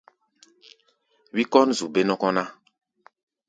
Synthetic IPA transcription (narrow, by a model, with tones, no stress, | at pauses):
wi˦kɔ˦nzu˨be˦nɔ˦kɔ˦na˦